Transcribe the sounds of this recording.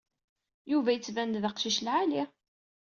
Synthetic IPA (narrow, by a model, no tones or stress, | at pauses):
juvæjət͡sːvænd̪ðəqʃiʃlʕali